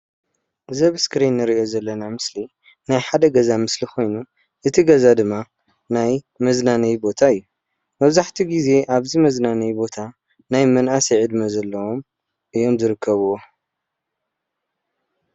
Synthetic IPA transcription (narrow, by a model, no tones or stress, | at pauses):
zɐβɨskɾinːɨɾiʔo̞zɐlːɐnamɨsli | najħad̪ɐɡɐzamɨsliko̞jnu | ʔɨt̪ʰiɡɐzad̪ɨmːa | naj | mɐznanɐjbo̞t̪ʰaɨjːu | mɐβzaħt̪ʰiɡize̞ʔaβzimɐznanɐjbo̞t̪ʰa | najmɐnʔasiʕɨd̪mɐzɐlːɐwom | ʔɨjo̞mzɨɾɨkʰːɐβuo